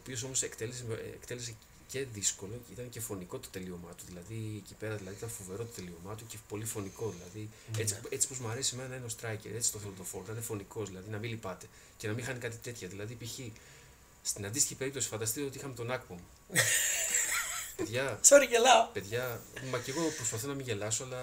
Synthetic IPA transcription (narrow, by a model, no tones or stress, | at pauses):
oːpio̞so̞mo̞sekt̪e̞leseḛkt̪e̞lese | ce̞ðisko̞loit̪ɐnce̞fo̞niko̞t̪o̥t̪e̞lio̞mɐt̪uðilɐðiecipe̞ɾɐðilɐðiit̪ɐnfove̞ɾo̞t̪o̥t̪e̞lio̞mɐt̪ucepo̞lifo̞niko̞ðilɐðiet͡siet͡si̥po̞zmuɐɾe̞simenɐnɐineo̞st̪ɾɐjcḛɾe̞t͡si̥st̪oθelot̪o̞fo̞ɾt̪ɐninefo̞niko̞zðilɐðinɐmilipɐt̪e̞ | ce̞nɐmixɐnikɐt̪it̪e̞t̪çɐðilɐðipiçi | st̪inɐnd̪ist̪içipe̞ɾip̚t̪o̞si̥fɐnd̪ɐst̪it̪eot̪ixɐmet̪o̞nɐkpomu | peðʝɐsoɾiʝelɐpe̞ðʝɐmɐce̞ɣo̞pɾo̞spɐθo̞nɐmiʝe̞lɐso̞ɐlɐ